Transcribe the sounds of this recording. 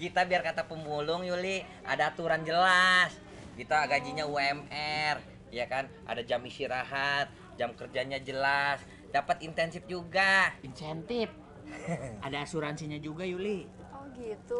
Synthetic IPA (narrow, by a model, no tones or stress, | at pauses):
kit̪abiarkat̪apəmbulʊŋjulɪ | ʔa̰daːt̪uɾand͡ʒəlas | ɡit̪aaɡad͡ʒiɲauɛmɛr | jakanʔa̰dad͡ʒamisiɾaɦat̪̚ | d͡ʒamkərd͡ʒaɲad͡ʒəlas | dapət̪int̪ɛnsɪf̚d͡ʒuɡainsɛnt̪ɪf̚ | adaːsuɾansiɲad͡ʒuɡajulɪ | ɡit̪u